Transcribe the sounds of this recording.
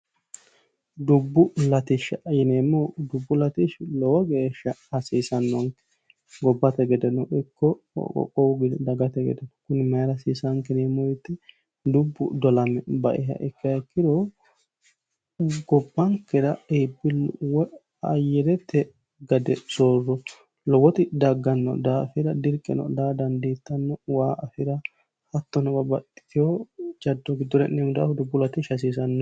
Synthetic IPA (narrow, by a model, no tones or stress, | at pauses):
d̪ʊbːʊlɐt̪ɪʃjɪneːmːɔd̪ʊbːʊlɐt̪ɪʃlɔwɔɡeːʃːɐɐsiːsɐnːɔŋkːɛ̥ | ɡɔbːɐt̪ɛɡɛd̪ɛnɔʔɪkːɔ̰ | ɔ̰kʼːɔwɡɪd̪d̪ɐɡɐt̪ɛɡɛ̰d̪ɛnɔ̥kʊnɪmɐjɾɐsiːsɐŋkːɛneːmːɔɪt̪ːɛ | d̪ʊbːʊ̰d̪ɔlɐmɛbɐʔɪɦɐ̰ʔɪkːɐɛkːɪd̪o | ɡɔbːɐŋkːɛɾɐebːɪlwɔ | ɐjɛɾɛt̪ːɛ | ɡɐd̪ɛsoːrːɔ | lɔwɔt̪ɪd̪ɐɡːɐnːɔ̰d̪aːfɪɾɐd̪ɪɾkʼːɛ̰nɔ̰d̪aːd̪ɐnd̪eːt̪ːɐnːɔwaːʔɐfɪɾɐ | hɐt̪ːɔnɐbɐbɐt̪ʼːɪ̥t̪ɪjod͡ʒɐd̪ːɔɡɪd̪ːɔɾɛnːemʊd̪a̰ːhʊd̪ɛbʊlɐt̪ɪʃɐs̬iːs̬ɐnːɔ